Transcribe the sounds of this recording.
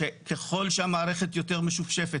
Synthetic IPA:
ekeχo̞lʃeamaːʁeχe̞t̪jo̞teʁmeʃufʃefe

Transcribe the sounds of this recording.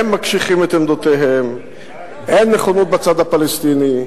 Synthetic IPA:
emːakʃiχimet̪emd̪ot̪eɦem | ʔenːeχonot̪̚bat͡sad̪apalest̪ini

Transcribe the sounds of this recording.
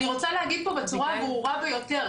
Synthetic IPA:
iʁot͡salaːɡid̪̚pobatuʁavuuʁabojɔt̪ɛ

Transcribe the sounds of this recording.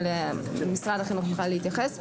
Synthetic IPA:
lemisʁad̪aχinoχlχaleit̪jaχes

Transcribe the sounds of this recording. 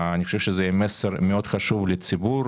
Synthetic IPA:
aniχoʃefʃezɛjmeseɾmeo̞d̪χaʃuvlet͡sibuɾ

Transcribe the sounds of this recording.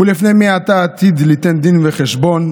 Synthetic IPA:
ulifnejmiat̪aːt̪id̪lit̪end̪inveχeʃbon

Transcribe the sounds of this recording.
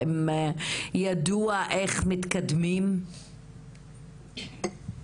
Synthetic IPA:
em | jad̪uaʔeχmit̪kad̪mim

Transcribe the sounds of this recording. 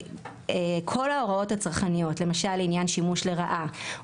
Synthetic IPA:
ekʰo̞lao̞ʁao̞tat͡saʁχanijo̞tle̞maʃalinjanʃimuʃle̞ʁaʔa

